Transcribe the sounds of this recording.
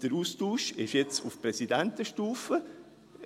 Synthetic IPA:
d̥əɾuːstuːʃɛ̰fjet͡sufprɛsidɛntəʃtuːfə

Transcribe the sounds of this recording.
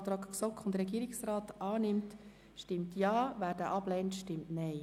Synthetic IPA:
t̪ɾɑːkksɔkχʊndɾɛɡiːɾɪksrɑːtʔɑːnɪmt | ʃtɪmtjɑːʋæːɾd̥əʔɑb̥lɛntʃtɪmtnɛɪ

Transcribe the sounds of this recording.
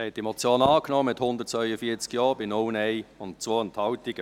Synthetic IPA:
hɛt̚d̥imɔt͡sjoːnɑːknɔːmɪthʊndətt͡svœʏəfiːət͡skjɔːbɪnɔwnɛɪʊntt͡svoːənthɑwtɪɡə

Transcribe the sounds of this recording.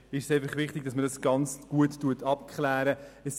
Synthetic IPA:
ɪʃseɪfɑχʋɪχtɪɡ̚d̥ɑsmədɑsɡ̥ɑnt͡sɡ̥uətːuətʰɑp̚kχlæːɾəɛs

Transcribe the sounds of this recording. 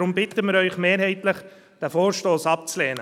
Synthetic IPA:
ɾʊmbɪt̪əmɪɾœʏχmeːɾhɛɪtləχ | d̥æfoːɾʃtoːsɑp̚t͡slɛːnə

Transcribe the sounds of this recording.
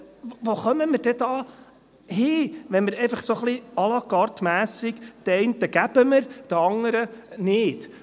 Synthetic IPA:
ʋoχœməməɾd̥ɛd̥̪ɑː | hɪːʋɛnməɾɛɪfɑχsoχliɑlɑkɑɾt̪mæːsɪɡt̪ɛɪntəɡ̥æb̥əməɾd̥̪əɑŋəɾənɪːt

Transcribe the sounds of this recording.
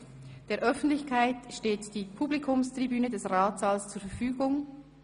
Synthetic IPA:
d̥eːɐʔœfn̩tlɪçkʰaɪtʃteːtd̥iːpʰublikʰʊmstʁ̥ibyːnədɛsʁaːtz̥aːlst͡suːɐɾfɛɐfyːɡʊŋ

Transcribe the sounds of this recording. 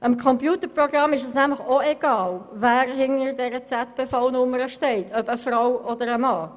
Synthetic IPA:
ʔəmkʰɔmpjuːtəprɔɡrɑmːɪʃəsnæmləχoeɡ̥ɑːlvæːɾɦɪnəɾdɛɾət͡sætb̥efɑlnʊməɾəʃtɛɪtʰœbəfrawɔd̪əɾəmɑː

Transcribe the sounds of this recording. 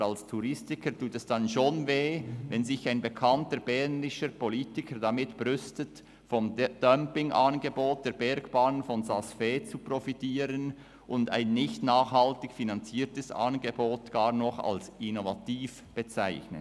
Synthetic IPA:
alstʰuɾɪstɪkʰəɾtʰuːtɛsd̥ɑnʃoːnveːvɛnzɪçaɪnbekʰɑntəɾbɛʁnɪʃəpoliːtɪkʰəɾdɑmɪtb̥ɾʏstət | fɔmd̥œmpɪŋʔɑnɡeboːt̚d̥eːɾbɛɾɡb̥aːnənfɔnsasfeːt͡suprofitiːɾən | ʔʊnda̰ɪnːɪçtnaːχhɑltɪçfinɑnt͡siːtəsɑ̰nɡeboːtɡ̥ɑːɾnɔχɑ̰lsɪnovatiːf | b̥ət͡saɪçnə̰

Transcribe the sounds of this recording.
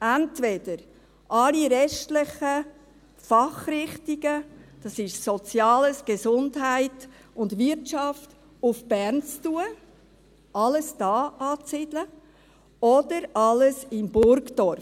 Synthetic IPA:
æntvɛd̥əɾ | ʔɑliɾɛʃtlɪχə | fɑχɾɪχtiɡəd̥ɑsɪʃsɔt͡sjɑːləsɡ̥əsʊndɦæɪt | ʊndʋɪɾtt͡ʃɑft | ʊfb̥ɛɾnt͡stuə | ɑləsd̥ɑːʔɑːt͡sɪd̥lə | ɔdəɾɑləsɪmbʊɾkdɔɾ

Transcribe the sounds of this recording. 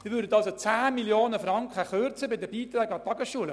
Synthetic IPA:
d̥ɪvʋʏːɾdətɑlsot͡sæːmiljoːnəfrɑŋkχəχørt͡səbɪdəbiːt̪rɛːɡɑtɑɡəsʃuːələ

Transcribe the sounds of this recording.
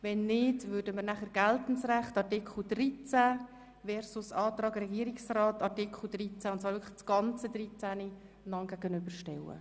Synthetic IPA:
ʋɛnːɪdʋʏɾdəməɾnæχəɾɡ̥æltn̩sræχtɑtɪkʰl̩d̥rit͡sæ | vɛɾsʊsɑːt̪rɑːɡrɛɡiːəɾiksrɑːtɑtikʰl̩ˠd̥rit͡sæʊntt͡sːʋɑːɾvɪəkʰəχt͡sɡ̥ɑnt͡sədɾit͡sæni | nɑŋɡ̥æɡənʏbəɾʃtɛlːə̰

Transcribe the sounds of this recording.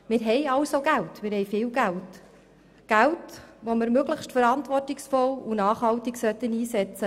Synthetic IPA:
mɪːɾɦɛjɑlsoɡæltmɪːɾhɛjfɪːlɡælt | ɡ̥æltʋomɪɾmøɡləχʃtfəɾɑntʋɔrtɪksfɔlunɑːχhɑwtɪksœtːəniːsɛt͡sə

